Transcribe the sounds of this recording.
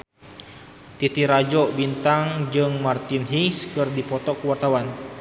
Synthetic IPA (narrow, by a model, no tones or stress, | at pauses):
t̪it̪iɾad͡ʒɔbint̪aŋd͡ʒɨŋmart̪inɦiŋskɨrdipɔt̪ɔkuwart̪awan